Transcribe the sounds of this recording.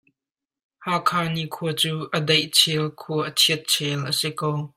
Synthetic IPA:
haːkʰaːnikʰuət͡suːʔədɐjʔt͡sʰɛlkʰuəʔət͡sʰiət̪̚t͡sʰɛlʔəsikow

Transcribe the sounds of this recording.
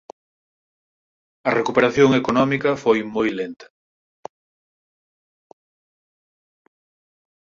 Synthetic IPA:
ɐrekupeɾaθjoŋekonɔmikɐfojmojlent̪ɐ̥

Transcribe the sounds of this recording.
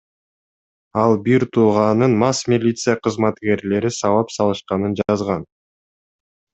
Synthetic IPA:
ɑlˠbiɾt̪ʰuːʁɑnɯnmɑsmʲilʲit̪sɨjaqʰɯzmɑt̪ke̞ɾle̞ɾisɑvɑpsɑlˠɯʃqɑnɯnd͡ʒɑzʁɑn

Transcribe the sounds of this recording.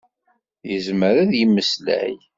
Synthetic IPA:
jəzməɾæðjəmːəslæ̰j

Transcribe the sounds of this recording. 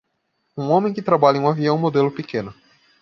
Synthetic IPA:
ũõmẽj̃kɪt̪ɾabaʎɐẽaviɐ̃w̃mod̪elʊpikẽnʊ

